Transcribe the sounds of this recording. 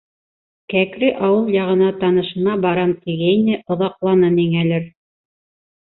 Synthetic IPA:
kækɾɘʔɑwɤlˠjɑʁɤ̆nɑt̪ɑnɤ̆ʃɤ̆nɑbɑɾɑnt̪iɡæjnɘʔŏðɑqlˠɑnɤniŋælɘɾ

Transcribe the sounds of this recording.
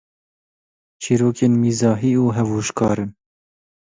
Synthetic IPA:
t͡ʃʰiːɾoːkeːnmiːzɑːɦiːuːɦɛvuːʃkɑːɾɨn

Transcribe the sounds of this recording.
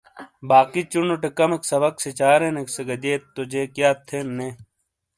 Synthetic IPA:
baːkit͡ʃunoʈekɐmeksɐbɐkset͡ɕaːɾẽnekseɡɐd̪eːt̪ːod͡ʑeːkjaːt̪ʰːenːeː

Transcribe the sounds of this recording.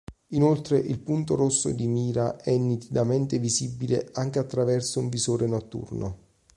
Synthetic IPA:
inolt̪ɾeʔilpunt̪oɾosːo̰d̪imiːɾaʔɛnːit̪id̪ament̪evizibːilḛaŋk̟eat̪ːɾavɛrsouɱvisoːɾenɔt̪ːṵrno

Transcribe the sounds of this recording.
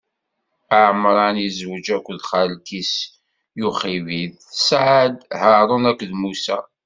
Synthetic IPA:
əʕmɾˤɑnjizwəd͡ʒækʷːðχælkis | juχivið | sʕəd̪həɾˤonækʷːðmusæ̰

